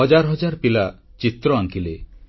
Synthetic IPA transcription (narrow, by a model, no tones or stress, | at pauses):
ɔd͡ʒaɾɔɦɔd͡ʒaɾpilat͡ʃit̪ɾɔaŋkile